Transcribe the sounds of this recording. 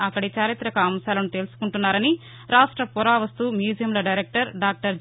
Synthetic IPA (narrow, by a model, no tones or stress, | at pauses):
ɐkːɐɽit͡ʃaːɾit̪ɾɐkɐːmsaːlɐnut̪e̞ːlusu̥kuɳʈunːaːɾɐni | ɾaːʂʈɾɐpɔɾaːʋɐst̪uːmjuːd͡ʒijɐmlɐɖɐjɾek̚ʈɐɾɖaːk̚ʈɐɾ